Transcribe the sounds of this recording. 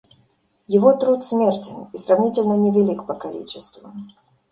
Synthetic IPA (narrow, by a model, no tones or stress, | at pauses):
jɛɣɔt̪ɾut̪sʲmʲɛrt͡sʲɪnisɾawnʲit͡sʲɛlʲnɐnʲɛvʲɛlʲikpɐkalʲḭt͡ʃɛst̪vu